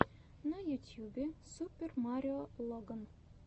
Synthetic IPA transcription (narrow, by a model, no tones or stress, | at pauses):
nɐjut̪ʲjubʲesupʲːermɑɾʲɪolˠoɡən